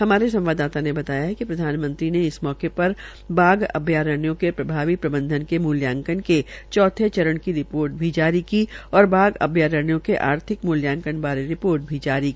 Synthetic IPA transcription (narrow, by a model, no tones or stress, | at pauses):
hɐmaːɾesɐ̃mʋaːd̪aːt̪anebɐt̪aːjaɦɛkipɾɐd̪ʱaːnmə̃nt̪ɾineɪsmɔːkepɐɾ | baːɡɐ̰bʱjaːɾəɳjõkepɾɐbʱaːʋipɾɐbə̃nd̪ʱənkemʊljãːŋkənket͡ʃɔːt̪ʰet͡ʃɐɾəɽ̃kiɾɪpoːɾʈ̚bʱid͡ʒaːɾikiɔːɾbaːɡɐ̰bʱjaːɾəɳjõkeʔa̰ːɾt̪ʰɪkmʊːljãːŋkənbaːɾeɾɪpoːɾʈ̚bʱid͡ʒaːɾiki